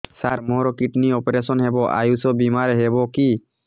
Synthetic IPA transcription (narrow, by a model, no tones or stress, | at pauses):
saɾmɔɾɔkiʈniɔpeɾesɔnɦɛbɔʔa̰jusɔbimaɾɦɛbɔki